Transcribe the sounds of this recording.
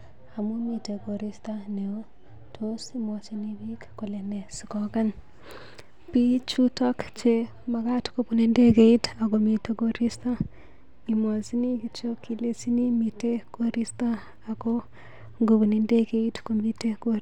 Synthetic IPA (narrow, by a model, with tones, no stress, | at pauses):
a˨mu˦mi˨te˨ko˨ɾi˦staneo | tʰosimɔt͡ʃenibikko˨le˨ne˨si˨kɔka˦n | pi˦t͡ʃutɔkt͡ʃe | ma˨ka˦tko˦puni˦nde˦ke˨ita˨komi˨te˦koɾi˦sta˦ | i˨mɔ˨si˦ni˦kit͡ʃo˦ki˨lesi˦ni˦mite˦koɾi˦sta˦ | a˨ko | ŋɡuβu˨ni˦nde˦keitkomi˦te˦ko